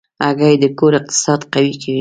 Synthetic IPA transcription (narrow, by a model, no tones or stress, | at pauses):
aɡajd̪əkoɾɪq̚t̪ɪ̥sɑd̪qawikʰawi